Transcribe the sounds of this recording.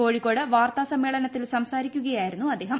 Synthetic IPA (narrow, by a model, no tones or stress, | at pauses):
ko̞ːɻikːo̞ːɽɨʋaːrt̪ɐsɐmːeːɭɐnɐt̪ːilsɐmsaːɾikʲːuɣɐjaːjiɾunːuɐd̪ːeːɦɐm